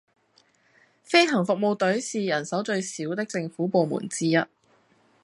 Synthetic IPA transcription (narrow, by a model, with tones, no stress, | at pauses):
fe˥jɦɐ˨˩ŋfʊ˨k̚mo˨˧wt̪ɵ˨˥ɥsiː˨jɐ˨˩nsɐ˨˥wt͡ʃɵ˧ɥsiː˨˥wt̪ɪ˥k̚t͡sɪ˧ŋfuː˨˥po˨˧wmṵː˨˩nt͡siː˥jɐ˥t̚